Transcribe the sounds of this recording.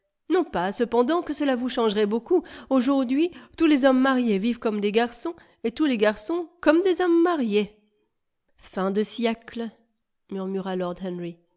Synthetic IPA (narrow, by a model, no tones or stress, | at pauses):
nɔ̃pasəpɑ̃d̪ɑ̃kəsəlavuʃɑ̃ʒʁɛbokuoʒuʁd̪ɥit̪ulezɔmːaʁjevivkɔmd̪eɡaʁsɔ̃ | et̪uleɡaʁsɔ̃kɔmd̪ezɔmːaʁje | fɛ̃d̪əsjɛklə | myʁmyʁalɔʁd̪ɦɛnʁi